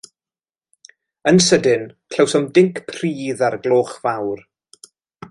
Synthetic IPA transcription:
ənsədɪnkʰl̥əwsɔmdɪŋkʰpʰr̥iːðarɡlˠoːχvawr

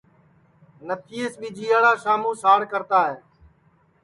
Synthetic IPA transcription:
nət̪ʰiːeːsɓiːd͡ʒiːaːɽaːʃaːmũːsaːɽkəɾt̪aːɦeː

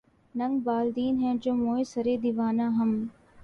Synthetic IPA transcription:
nɐŋɡbaːld̪iːnɦɛ̃ːd͡ʒoːmoːesɐɾeːd̪iʋaːnãːɦɐm

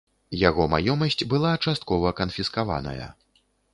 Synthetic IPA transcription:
jaɣɔmajɔmɐsʲt͡sʲbɨlˠat͡ʂast̪̚kɔvɐkɐnfʲiskava̰nɐ̰jɐ̰

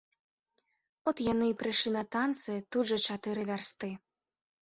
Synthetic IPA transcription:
ɔt̪janɨipɾɨʂlʲinɐt̪ant̪sɨt̪ud̪ʐɐt͡ʂat̪ɨɾɨvʲarst̪ɨ

